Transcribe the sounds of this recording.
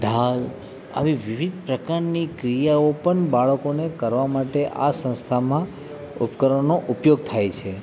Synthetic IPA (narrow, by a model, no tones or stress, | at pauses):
d̪ʱal | a̰ʋiʋiʋid̪̚ʱpɾəkaɾnikɾijaopəɳbaɭəkonekəɾʋamaʈeʔa̰sə̃ñst̪ʰamã | ṵpkəɾənoʔupjoɡ̚t̪ʰajt͡ʃʰe